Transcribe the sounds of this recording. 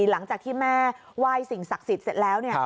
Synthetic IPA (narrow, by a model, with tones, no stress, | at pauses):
la˩˦ŋt͡ɕaː˨˩k̪̚ʰiː˥˩mɛː˥˩ | waː˥˩jsi˨˩ŋsa˨˩k̚si˨˩t̪̚se˨˩t̪̚lɛː˦˥wni˥˩